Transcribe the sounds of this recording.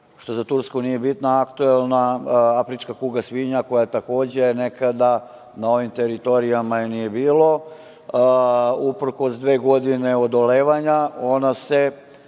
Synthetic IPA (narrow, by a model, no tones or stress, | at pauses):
ʃt̪o̞zat̪uɾskunije̞bit̪naːkt̪uelˠnaafɾit͡ʃkakuːɡasʋiɲako̞jat̪ako̞ːd͡ʑe̞jne̞kad̪a | nao̞ʋimt̪eɾit̪o̞ɾijamajenije̞biːlo̞ | upɾ̩ko̞sd̪ʋe̞ːɡo̞d̪ine̞od̪o̞le̞ːʋaɲao̞nase